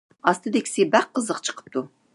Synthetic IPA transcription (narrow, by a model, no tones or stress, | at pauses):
ɑst̪ʰɨd̪ekʲsebæqːəzəqt͡ʃʰə̥qʰə̥p̚t̪ʰu